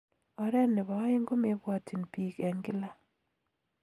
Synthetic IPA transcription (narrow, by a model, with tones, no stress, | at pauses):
ɔ˨ɾɛ˦nnːɪ˨βa˨˦ɪ˦ŋɡo˦me˦bwa˦tʰi˨npi˨kɛ˨ŋɡɪ˦la˦